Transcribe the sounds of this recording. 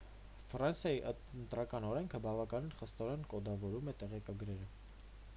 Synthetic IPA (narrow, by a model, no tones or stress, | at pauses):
fɾɑnsjɑjiʔə | nt̪ɾɑkɑnɔɾɛŋkʰəbɑvɑkɑninχəst̪ɔɾɛnkɔd̪ɑvɔɾumɛt̪ɛʁɛkɑɡɾɛɾə